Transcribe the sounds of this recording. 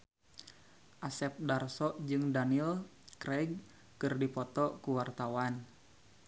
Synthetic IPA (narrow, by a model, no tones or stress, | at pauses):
ʔasɛp̚darsɔʔd͡ʒɨŋdanil | kɾɛɡ̚ | kɨrdipɔt̪ɔkuwart̪awan